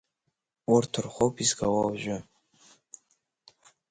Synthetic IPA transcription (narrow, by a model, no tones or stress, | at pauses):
ʊrtʰɨrχʷowpʰizɡawawʒᶣʊ